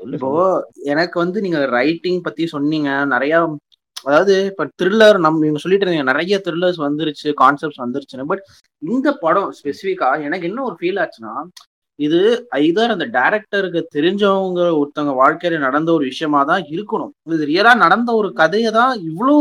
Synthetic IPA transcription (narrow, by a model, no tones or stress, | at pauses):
ɪpːoːɛnɐkːɯʋɐnd̪ɯniːŋɡɐɾɐɪʈːɪŋɡpɐt̪ːij̃sɔnːiːŋɡɐnɪɾɐjaː | ɐðaːʋɐðɯpːɐːt̪ɪɾɪlːɐɾnɐmːɪŋɡɐsɔlːɪʈːɾniŋɡɐnɪɾɐjɐt̪ɪɾɪlːɐɾs̬ʋɐnd̪ɯɾɯt͡ʃːɯkaːnsɛp̚ʈsʋɐnd̪ɯɾɯt͡ʃːɯnːɯbɐʈ | ɪnd̪ɐpɐɽɔ̃ʊ̃spɛsɪfɪkːaːɛnɐkːɛnːɐɔɾɯfiːlaːt͡ʃːɯnːaː | ɪðɯɐɪðaːɾɐnd̪ɐɖɐɪɾɛk̚ʈɐɾɯk̬ːɯt̪ɛɾɪɲd͡ʒɐʋɐŋɡɐɔɾɯt̪ːɐŋɡɐʋaːɻkɐjlɐnɐɽɐnd̪ɐɔɾɯʋɪʂɐjɐmaːt̪ãːɪɾɯkːɐɳʊ̰̃ɪðɯɾɪjɐlaːnɐɽɐnd̪ɐɔɾɯkɐðɐjɛt̪ãːɪʋːɐɭoː